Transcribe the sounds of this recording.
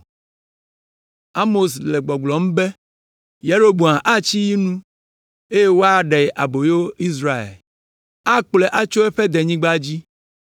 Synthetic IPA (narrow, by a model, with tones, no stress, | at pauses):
a˦mo˨sle˨ɡ͡bɔ˨ɡ͡blɔ˨m̩˦be˦ | je˦ɾo˦bo˨ã˨ʔa˦t͡ɕi˦ji˦nũ˦ | e˦je˦wo˦a˨ɖe˨ʔa˨bo˨jo˦i˦s̬ɾa˨ḛ˨l | a˦k͡ple˨ʔa˦t͡ʃo˦ɛ˦ɸe˦d̪e˨ɲĩ˦ɡ͡ba˦d͡ʑi˦